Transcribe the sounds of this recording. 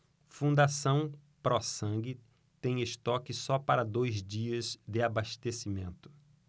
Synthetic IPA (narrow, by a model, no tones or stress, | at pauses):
fũd̪asɐ̃w̃ | pɾɔsɐ̃ɡɪ | t̪ẽj̃ɪʃt̪ɔkɪsɔpaɾɐd̪ojzd͡ʒiɐzd̪ɪabaʃt̪esimẽnt̪ʊ̥